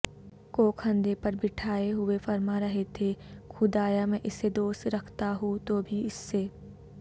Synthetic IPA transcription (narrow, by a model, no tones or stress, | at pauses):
koːkʰɐ̃nd̪epɐɾbɪʈʰaːeɦʊefɐɾmaɾɐɦet̪ʰekʰʊd̪aːjamẽʔɪsːed̪oːsɾɐkʰt̪aɦũt̪obʱiɪsːeː